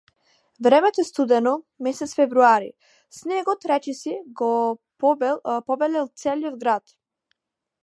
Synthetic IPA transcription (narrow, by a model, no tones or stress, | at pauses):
vɾɛmɛt̪ɔɛst̪ud̪ɛnɔ | mɛsɛt̪sfɛvɾuaɾḭ | snɛɡɔt̪ɾɛt͡ʃɛsiɡɔ | pɔbɛlɛlˠt̪sɛliɔd̪ɡɾat̪